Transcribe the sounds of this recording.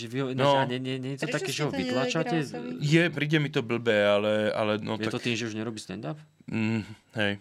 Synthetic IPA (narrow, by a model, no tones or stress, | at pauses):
ʒɛʋiɦɔnɔaɲɛɲɛɲɛɲit̪ɔt̪akɛːʒɛɦɔʋit̪laːt͡ʃacɛjɛpɾiːɟɛmit̪ɔbl̩bɛːalɛa̰lɛnɔj̪ɛat̪ɔkt̪iːmʒɛuʒɲɛɾɔbiːst̪ɛnd̪ap̩ː | ɦɛj